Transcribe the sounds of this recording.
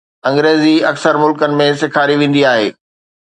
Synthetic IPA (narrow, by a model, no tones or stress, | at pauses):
ɐ̃ŋɡɾeːziɐksəɾmʊlkənɪ̆mẽsɪkʰaːɾiʋẽːn̆d̪iaːɦeː